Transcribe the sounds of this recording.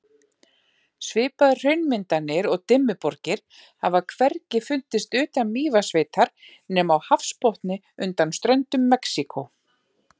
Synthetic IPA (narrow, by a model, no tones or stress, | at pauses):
svɪːpaðʏ̥r̥œɥnmɪnt̪anɪɾɔɣt̪ɪmːʏpɔɾcɪɾ̥ | havakʰvɛrcɪfʏn̥t̪ɪst̪ʏːt̪anmiːvasveːjt̪ʰaɾ̥ | nɛːmawhafspɔht̪nɪ | ʏnt̪anst̪ɾœɥnt̪ʏmːɛksikʰo